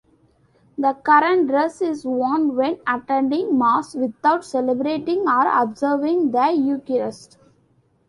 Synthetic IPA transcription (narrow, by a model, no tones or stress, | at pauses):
d̪əkʌɾə̃ɳʈɾesɪzʋɔ̃nʋɛ̃nɐʈɛ̃ɳɖɪ̃ŋmaːsʋɪd̪aʊʈsɛlɛbɾeːʈɪ̃ŋɡɔːɾɔ̰bzəɾʋɪ̃ŋɡd̪əjuːkiɾəsʈ